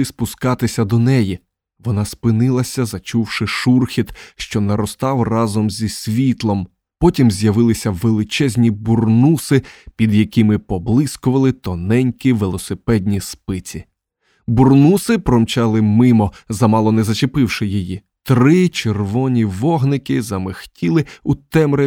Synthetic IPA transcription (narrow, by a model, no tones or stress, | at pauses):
ɪspʊskɑt̪ɪsʲɐd̪ɔnɛji | ʋɔnɑspɪnɪlˠɐsʲɐzɐt͡ʃuwʃɪʃurxʲit̪ʃt͡ʃɔnɐɾɔst̪ɑwrɑzɔmzʲisʲʋʲit̪lˠɔm | pɔtʲimzʲjɐʋɪlˠɪsʲɐʋelˠɪt͡ʃɛzʲnʲiburnusɪpʲid̪jɐkimɪpɔblˠɪskɔʋɐlˠɪt̪ɔnɛnʲkʲiʋelˠɔsɪpɛdʲnʲispɪt͡sʲi | burnusɪpɾɔmt͡ʃɑlˠɪmɪmɔzɐmɑlˠɔnɛzɐt͡ʃepɪwʃɪjiji | t̪ɾɪt͡ʃerʋɔnʲiʋɔɦnɪkɪzɐmɪxtʲilˠɪut̪ɛmɾɪ